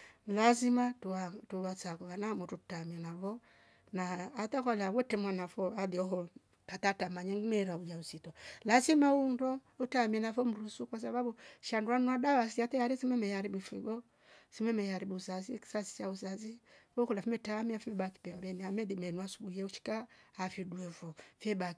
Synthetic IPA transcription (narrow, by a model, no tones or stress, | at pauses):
lazimatuatuwat͡sakuβanamɔɾutamiɛnavɔ | naːtakɔlawɔtɛmwanafɔadiɔɦɔ | katatamaɲɛŋɡinɛɾaujausitɔlazimaundɔ | utamiɛnafɔm̩ɾusukwas̬aβabuʃanduanuadawasiatɛjaɾisimɛmɛjaɾibifiɡɔ | simɛmɛjaɾibuusazi̥sasi̥t͡ʃausaziwɔkulafimɛtamiafimɛɓaki̥pɛmbɛniamɛdimɛnuasu̥ɓuiɛuʃi̥kaːfidwɛfɔfɛbak